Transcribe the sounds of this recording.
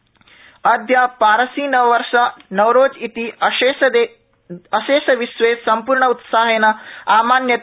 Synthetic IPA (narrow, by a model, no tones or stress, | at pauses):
ɐd̪ʱjaːpaːɾɐsiːnɐʋɐɾʃɐnɐwɾoːd͡ʒit̪id̪e | ɐʃeːʃɐʋiʃʋeːsɐmpuːɾɳɐut̪saːɦeːnɐaːmaːnjɐt̪